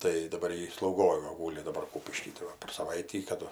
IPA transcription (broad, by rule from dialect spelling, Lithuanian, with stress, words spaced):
tɐɪ dɐˈbɐr ˈjɪ slˠɐʊˈɡoːj ʋɐ ˈɡuːlʲɪ dɐˈbɐr ˈkuːpʲɪʃʲkʲiː tɐɪ ˈʋɐ pʲɛr sɐˈʋɐɪtʲiː ˈkɑːdʊ